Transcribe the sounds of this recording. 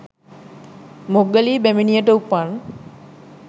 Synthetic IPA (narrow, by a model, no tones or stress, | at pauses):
moɡəliːbæminijəʈəupan